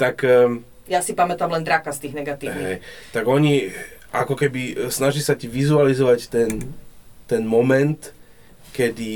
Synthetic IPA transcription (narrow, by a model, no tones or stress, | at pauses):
t̪akː | jasipamɛt̪amlɛnd̪ɾakast̪iːɣnɛɡat̪iːɦ̪ɛjt̪aɡɔɲiʔakɔkɛbisnaʒisaciʋizualizɔʋact̪ɛnt̪ɛnmɔmɛnt̪ | kɛd̪i